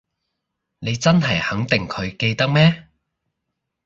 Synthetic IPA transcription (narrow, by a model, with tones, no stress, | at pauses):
ne˨˧jt͡sɐ˥nɦɐ˨˩jhɐ˨˥ŋt̪ɪ˨ŋkʰɵ˨˧ɥke˧jt̪ɐ˥k̚mɛː˥